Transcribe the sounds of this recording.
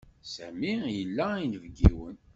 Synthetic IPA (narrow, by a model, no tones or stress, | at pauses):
sæ̰mijəlːæinvɡiwən